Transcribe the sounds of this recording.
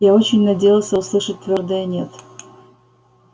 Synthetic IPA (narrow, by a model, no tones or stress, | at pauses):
jao̞t͡ɕɪnʲnɐdʲejɪlˠsʲəuslˠɨʂət̚ʲt̪vʲo̞rd̪əjənʲet̪